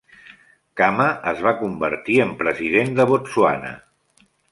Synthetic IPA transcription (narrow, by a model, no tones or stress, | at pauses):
kaməʔəzβakumbə̰ɾt̪iəmpɾəzið̞end̪əβosua̰nə̰